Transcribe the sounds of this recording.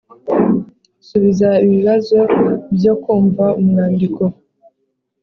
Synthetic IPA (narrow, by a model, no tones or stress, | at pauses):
suβizaiβiβazo̞bjo̞kuːɱvaumunaːndiko